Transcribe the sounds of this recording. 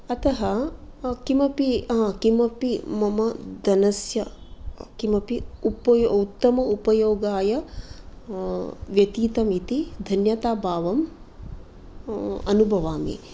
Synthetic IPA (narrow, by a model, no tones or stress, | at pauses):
ɐt̪ɐɦɐ | kimɐpikimɐpimɐmɐd̪ɐnɐsjɐkimɐpiupɐjut̪ːɐmɐupɐjoːɡaːjɐ | ʋjɐt̪iːt̪ɐmit̪id̪ʱɐnjɐt̪aːbʱaːʋɐm | ɐnubʱɐʋaːmḭ